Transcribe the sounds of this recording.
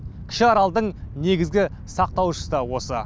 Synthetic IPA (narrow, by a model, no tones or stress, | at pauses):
kʲʰɪ̥ʃɪɑɾɑlˠd̪əɴne̞ɡʲɪzɡʲɪ | sɑq̚t̪ɑwʃə̥səd̪ɑwo̞sə